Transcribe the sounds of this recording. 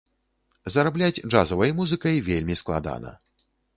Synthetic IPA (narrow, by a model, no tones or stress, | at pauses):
zɐɾablʲad͡zʲd͡ʐʐazɐvɐjmuzɨkɐjvʲelʲmʲisklˠa̰d̪a̰nɐ̰